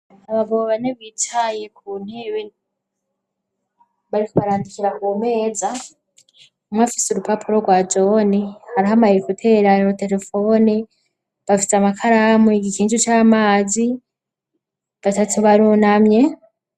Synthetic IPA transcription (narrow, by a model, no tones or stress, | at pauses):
aβaɡoβaneβiːtʰajek̚ʰuːn̥heβe | βaɾikoβaɾaːndikiɾakume̞ːza | mŋafiseuɾupapʰuɾoɡwaːd͡ʒo̞nihaɾiɦamahiekutʰe̞ɾaɾiɾote̞ɾe̞fo̞ːni | βafi̥seamakʰaɾamweɡikiːnt͡ʃut͡ʃaːmaːzi | βatatʰuβaɾunamɲe̞